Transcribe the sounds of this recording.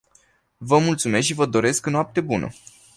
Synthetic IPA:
vəmult̪sume̞sʃivəd̪o̞ɾe̞sknoap̚t̪e̞bunʔə̰

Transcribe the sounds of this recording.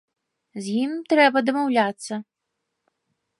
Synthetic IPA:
zʲjimt̪ɾɛbɐd̪ɐmawlʲat̪sːɐ

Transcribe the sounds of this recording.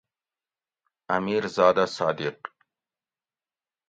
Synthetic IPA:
amiɾzɑːd̪asɑːd̪ɪq

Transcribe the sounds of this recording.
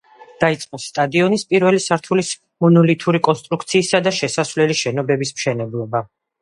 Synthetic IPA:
d̪̥ait̪sʼqʼɔsːt̪ʼad̪iɔnispʼiɾvɛlisaɾt̪ʰulis | mɔnɔlit̪ʰuɾikʼɔnst̪ʼɾukʰt̪sʰiːsad̪aʃɛsasvlɛliʃɛnɔbɛbismʃɛnɛblˠɔba

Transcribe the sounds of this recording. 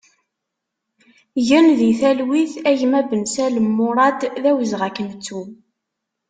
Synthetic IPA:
ʝənðiθælwiθæʝmæbənsæləmːʊɾˤɑd̪ðæwəzʁækənt͡sːu

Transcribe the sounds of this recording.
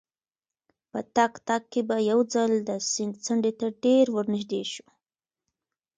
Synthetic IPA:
pət̪akt̪ak̚kːebajawd͡zald̪əsɪnt͡saɳɖet̪aɖeɾwəɾnɪʒd̪eʃu̥

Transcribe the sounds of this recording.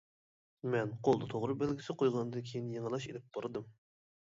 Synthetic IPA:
mɛnqʰolˠd̪ɑt̪ʰoʁɾɨbælɡʲiɪsɪqʰojʁɑnɨd̪ɨkʲʰejinjeŋəlˠɑʃed̪ɪp̚b̥ɑɾɨd̪ɨm

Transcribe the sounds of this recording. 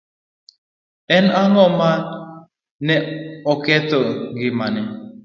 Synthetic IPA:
ɛnaŋɔmat̚ | nɛɔkɛt̪ɔŋɡɪmanɛ

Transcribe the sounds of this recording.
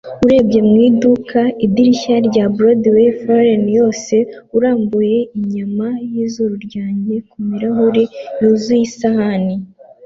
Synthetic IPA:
uɾe̞ːbɟe̞mŋiːdukʰaid̪iɾiçaɾɟabɾodwefoɾenjo̞ːse̞uɾaːmbuje̞iɲamajiːzuɾuɾɟaːɲɟe̞kumiɾaɦuɾijuzujisahani

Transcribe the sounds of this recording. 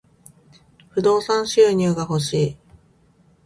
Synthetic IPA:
ɸɯ̟d̪o̞ːsãɰ̃ɕɨːɲ̟ʲɯːɡaho̞ɕiː

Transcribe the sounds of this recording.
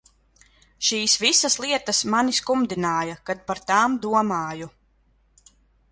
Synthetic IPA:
ʃiːsvisaslˠiɛt̪ɐsmaniskumd̪inaːjakad̪̚paɾt̪aːmd̪uɔmaːju

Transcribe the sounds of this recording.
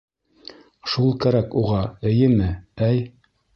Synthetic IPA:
ʃulˠkæɾækuʁɑɘ̆jɘmɘæj

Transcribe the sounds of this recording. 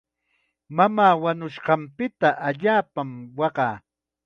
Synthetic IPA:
mamaːwanʊʃɢɑmpɪt̪aʔaʎaːpamwɑɢɑː

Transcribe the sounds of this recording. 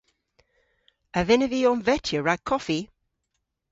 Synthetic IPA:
əvɪnəviɔnvɛtʰjəɹaɡ̚kʰɔfi

